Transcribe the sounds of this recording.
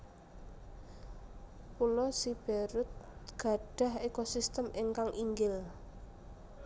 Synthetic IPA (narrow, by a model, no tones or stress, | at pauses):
pulɔsib̥eɾʊt̪̚ɡ̥a̤ɖ̥a̤hekosist̪əmeŋkaŋʔiŋɡɪl